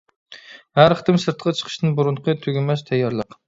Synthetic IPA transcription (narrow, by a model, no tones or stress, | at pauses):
hæɾχə̥t̪ɨmsɨɾt̪qʰt͡ʃʰə̥qʰə̥ʃt̪ɨnbuɾuɴqʰət̪ʰøɡʲimɛʃt̪ʰɛjːɑɾlˠəq